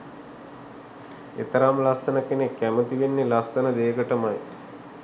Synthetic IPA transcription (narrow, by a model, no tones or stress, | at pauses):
ḛt̪əɾamlasənəkenekːæmət̪iʋenːelasːənəd̪eːɡəʈəmaj